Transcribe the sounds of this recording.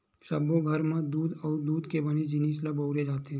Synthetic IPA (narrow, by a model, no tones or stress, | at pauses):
səboɡʱɐɾmãd̪uːd̪ɔːɾd̪uːd̪kebɐned͡ʒɪniːslaboːɾed͡ʒaːt̪eɦɛ̃